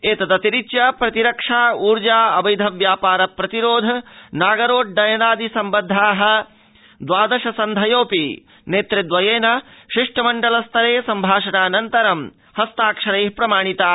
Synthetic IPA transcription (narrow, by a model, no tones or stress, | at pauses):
eːt̪ɐt̪ɐt̪iɾit͡ʃjɐpɾɐt̪iɾɐkʂaːuːɾd͡ʒaːɐbɐjd̪ʱɐʋjaːpaːɾɐpɾɐt̪iɾoːd̪ʱɐnaːɡɐɾoːʈ̚ɖɐjɐnaːd̪ʱisɐmbɐd̪ʱːaːɦɐ̆ | d̪ʋaːd̪ɐʃɐsɐnd̪ʱɐjoːpi | neːt̪ɾid̪ʋɐjeːnɐʃiʂʈɐmɐɳɖɐlɐst̪ʰɐɾeːsɐmbʱaːʂɐɳaːnɐnt̪ɐɾɐm | hɐst̪aːkʂɐɾeːɦpɾɐmaːɳit̪aː